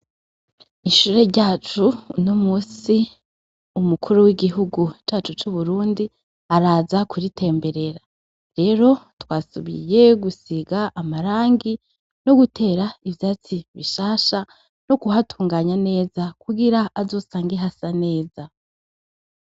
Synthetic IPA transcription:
iʃuːɾe̞ɾɟaːt͡ʃunomuːsi | umukʰuɾuwiɡiɦuɡut͡ʃaːt͡ʃut͡ʃuβuɾuːndi | aɾaːzakʰuɾitʰe̞ːmbe̞ɾe̞ɾa | ɾe̞ːɾo̞twaːsṵβḭje̞ɡusiɡaʔːmaɾaːŋɡi | no̞ɡutʰe̞ːɾaivjaːt͡siβiʃaːʃa | no̞kuɦatʰuːŋɡaːɲane̞ːzakuɡiɾaʔːzo̞ːsaːŋɡeɦasane̞ːza

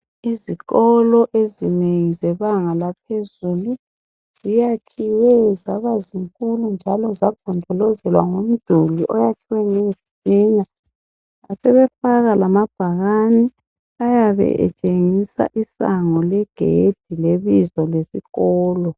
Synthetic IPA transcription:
iziɣɔlɔʔezineŋizɛβaŋalap̚ʰezulu | z̥ijakʰiwɛzaβaziŋkʼulund͡ʒʱalɔzaɡ̥ʱɔndʱɔlɔzɛlwaŋom̩d̥ʱuliʔɔjakʰiwɛŋezit͡ʃiːɲa | asɛβɛfaɣalamab̥ʱaɣani | ajaβɛ̰ʔɛ̰t͡ʃʼeŋisa̰ʔisaŋɔlɛɡ̥ʱḛd̥ʱileβizɔlesiɣɔːlɔ

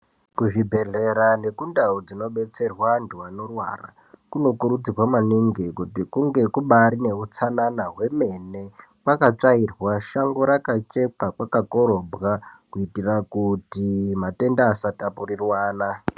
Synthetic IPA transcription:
kuʐibʱe̞ɮe̞ɾane̞kundaud͡zino̞ɓe̞t͡se̞rwanduwano̞rwa̰ra̰ | kuno̞kuɾud͡zirwamaniŋɡikutikuŋɡe̞kuɓaɾine̞ut͡sananaɦwe̞me̞ne̞ | kwakat͡ʂairwaʃaŋɡoɾakat͡ʃe̞pakwakako̞ɾo̞bʱɣakuitirakutimate̞ndaːsatapurirwaːna

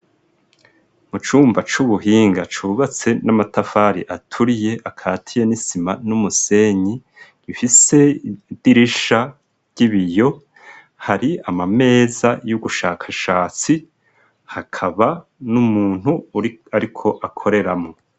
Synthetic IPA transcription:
mut͡ʃuːmbat͡ʃuβuɦiːŋɡat͡ʃuːβat͡se̞namatafaːɾiʔatʰuɾije̞ʔakʰaːtʰije̞nisimanumuse̞ɲi | ɡ̥ifise̞d̥iɾiʃa | ɟ̥iβijo̞ | haɾiamame̞ːzajuɡuʃaːkʰaʃaːt͡si | hakʰaβanumuːn̥huaɾikʰo̞ʔakʰo̞ɾe̞ɾamo

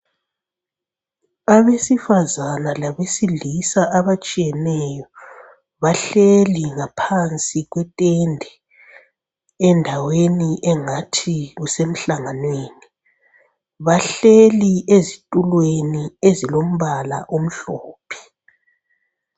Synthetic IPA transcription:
aβesifazanalaβesilisaʔaβat͡ʃʼijɛnɛːjɔ | βaɬeliŋapʰant͡sʼiɣwɛtʼɛndʱɛ | ɛndʱaweniʔɛŋatʰiɣusem̩ɬaŋanweːni | βaɬeliʔezitʼulweniezilom̩βala̰ʔom̩ɬoːpʰi̥

